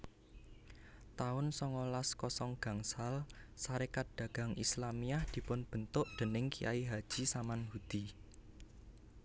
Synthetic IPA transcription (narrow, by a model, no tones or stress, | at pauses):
t̪aʊnsɔŋɔlaskɔsɔŋɡ̥ä̤ŋsalsaɾekat̪̚d̪̥a̤ɡ̥a̤ŋʔislamiahd̪̥i̤pʊnb̥ə̤nt̪ʊʔd̪̥ə̤nɪŋkiʔa̰iɦad̥ʒ̥i̤samanhud̪̥i